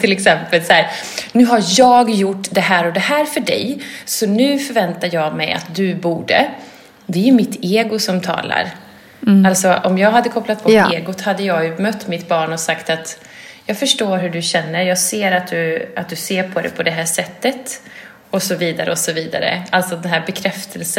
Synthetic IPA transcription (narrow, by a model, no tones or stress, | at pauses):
t̪ʰɪlɛksɛmpəlsæːɾ | nʉ̟ːɦaɾjɑːɡjʊʈːd̪ɛɦæːɾɔd̪ɛhæːɾfœɖɛ̰jsɔnʉ̟ːfœɾvɛnt̪ajɑːɡmɛja̰t̪̚d̪ɵbuːɖə̰ | d̪ɛæjɵmɪt̪ʰːeːɡʊsɔmt̪ʰɑ̰ːla̰ɾ | alt̪sɔʔɔmjɑːɡɦad̪ːəkʰɔplat̪̚pʰɔeːɡʊt̪had̪ːəjɑːɡjɵmœt̪ːmɪt̪bɑːɳɔsakt̪at̪ | jɑːɡfœʂʈoːɾɦɵɖɵɕɛnːəɾjɑːɡseːɾat̪̚d̪ɵat̪̚d̪ɵseːɾpʰɔd̪ɛ̰pʰɔd̪ɛɦæːʂɛt̪ːət̪ | ɔsɔviːd̪aɾə̰ɔsɔviːd̪a̰ɾə̰alt̪sɔd̪ɛnɦæːɾbɛkʰɾɛft̪ʰəls